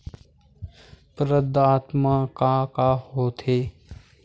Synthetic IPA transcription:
pɾəd̪aːt̪makakahoːt̪ʰeː

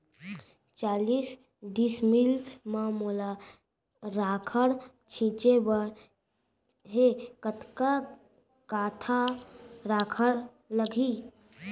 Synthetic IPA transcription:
t͡ʃaːlis | d̪ismilmamola | ɾaːkʰəɽ | t͡ʃʰĩːt͡ʃebəɾ | ɦekət̪ka | kaːt̪ʰaɾaːkʰəɽ | ləɡʱi

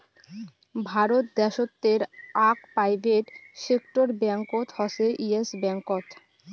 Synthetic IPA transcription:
bʱaɾot̪̚d̪ɛʃot̪ːeɾakpɾajbeʈsekʈoɾbɛŋkot̪hɔseʔiesbɛŋkot̪

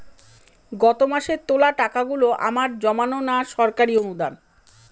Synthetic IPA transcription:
ɡɔt̪omaʃet̪olaʈakaɡuloʔa̰maɾd͡ʑɔmanonaʃɔɾkaɾionud̪an

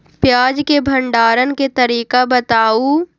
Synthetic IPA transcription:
pjaːd͡ʒkebʱɐ̃ɳɖaːɾənket̪ɐɾiːkabɐt̪aːu

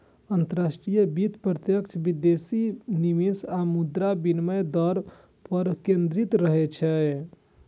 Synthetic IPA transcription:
ənt̪əɾasʈɾijəbit̪pɾət̪jəkt͡ʃʰbid̪esinimisamud̪ɾabinməjd̪ɔɾ | pəɾkẽnd̪ɾit̪ɾəɦɛt͡ʃʰɛ

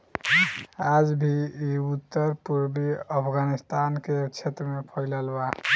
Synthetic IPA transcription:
ad͡ʒbʱiiut̪ːəɾpuɾbiəpʰɡanist̪anket͡ʃʰet̪ɾəmepʰɔjlalba

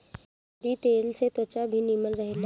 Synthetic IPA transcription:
ɾit̪eːlset̪oːt͡ʃabʱiniməlɾəɦel

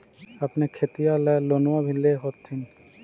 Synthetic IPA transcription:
apnekʰet̪ijalɛlonwabʱileɦot̪ʰːin

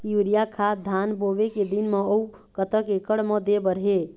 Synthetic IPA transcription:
juɾijakʰad̪ʱanboʋeked̪inməou | kət̪əkekəɽməd̪ebəɾɦe

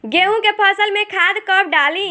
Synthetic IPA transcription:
ɡeũkepʰəsəlmẽkʰad̪kəp̚ɖalĩ

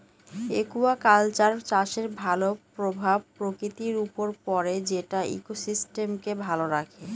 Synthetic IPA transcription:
ekuakalt͡ɕaɾt͡ɕaʃeɾbʱalopɾobʱab̚pɾokɾit̪iɾupoɾpɔɾed͡ʑeʈaḭkosisʈemkebʱaloɾakʰe

